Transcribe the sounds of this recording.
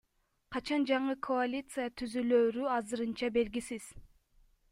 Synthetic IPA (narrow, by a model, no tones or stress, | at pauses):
qʰɑt͡ʃɑnd͡ʒɑɴɯkʰo̞alʲit̪sɨjat̪ʰyzyløːɾyɑzɯɾɯnt͡ʃɑbe̞lɡisiz̥